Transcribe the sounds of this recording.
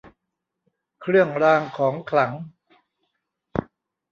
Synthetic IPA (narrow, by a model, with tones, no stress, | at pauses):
kʰɾɯ˥˩əŋɾaː˧ŋkʰɔː˩˦ŋkʰla˩˦ŋ